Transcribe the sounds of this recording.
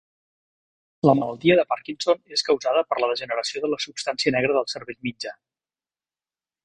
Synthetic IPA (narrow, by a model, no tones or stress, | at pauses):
ləmələlˠt̪iəðəpaɾkinsoneskəwzaðəpəɾləðəʒənəɾəsioðələsupst̪ansiənɛɣɾəðəlˠsəɾβeʎmid͡ʒa